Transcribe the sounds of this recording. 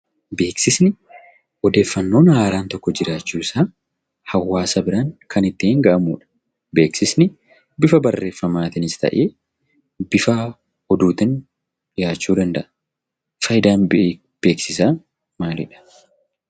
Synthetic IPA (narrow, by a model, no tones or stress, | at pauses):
be̞ːksɪsnɪ | ɔd̪e̞ːfːɐnːo̞ːnhaːɾaːnt̪ɔkːɔd͡ʒɪɾaːt͡ʃːuːsaː | hɐwːaːsɐbɪɾɐŋkʰɐnɪt̪ːɪɪŋɡɐʔɐmuːᶑɐ̥ | be̞ːksɪsnɪ | bɪfɐbɐrːe̞ːfːɐmaːt̪ɪnɪst̪ɐ̰ʔeː | bɪfɐ | hɔd̪uːt̪ɪn | ɪjaːt͡ʃːuːd̪ɐnd̪ɐʔɐ̥ | fɐjɪd̪aːnb | b̥e̞ːksɪsaː | maːlɪᶑɐ̥